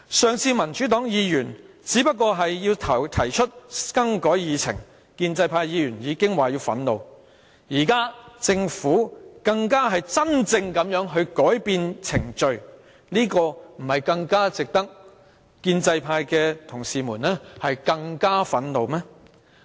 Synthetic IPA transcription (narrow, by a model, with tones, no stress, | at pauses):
sœː˨ŋt͡sʰiː˧mɐ˨˩nt͡ʃyː˨˥t̪ɔː˨˥ŋjiː˨˧jyː˨˩n | t͡siː˨˥pɐ˥t̚kɔː˧ɦɐ˨jːiː˧wt̪ʰt̪ʰɐ˨˩jt͡ʃʰɵ˥t̚kɐ˥ŋkɔː˨˥jjiː˨˧t͡sʰɪ̰˨˩ŋ | kiː˧nt͡sɐ˧jpʰaː˧jiː˨˧jyː˨˩njiː˨˧˥kɪ˥ŋwaː˨jiː˧wfɐ˨˥nlo˨w | jiː˨˩kaː˥t͡sɪ˧ŋfuː˨˥kɐ˧ŋkaː˥ɦɐ˨jt͡sɐ˥nt͡sɪ˧ŋkɐ˨˧˥mjœː˨˥ŋɦɵ˧ɥkɔː˨˥jpiː˧nt͡sʰɪ˨˩ŋt͡ʃɵ˧ɥ | niː˥kɔː˧m̩˨˩hɐ˨jkɐ˧ŋkaː˥t͡sɪ˨k̚t̪ɐ˥k̚ | kiː˧nt͡sɐ˧jpʰaː˧jkɛː˧t̪ʰʊ˨˩ŋsiː˨muː˨˩nɛː˥hɐ˨jkɐ˧ŋkaː˥fɐ˨˥nlo˨˧wmɛː˥